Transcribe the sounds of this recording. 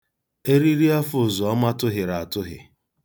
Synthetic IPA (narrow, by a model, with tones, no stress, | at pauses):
e˦ɾi˦ɾi˦a˦fʊ˨zɔ˨ɔ˦ma˦tʊ˦ɦɪ˨ɾa˨a˨tʊ˦ɦɪ̰˨